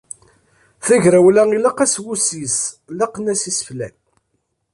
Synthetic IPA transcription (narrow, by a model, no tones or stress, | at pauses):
θæʝɾæwlæilæqæswusiz | lɑqnæsisəflæ̰n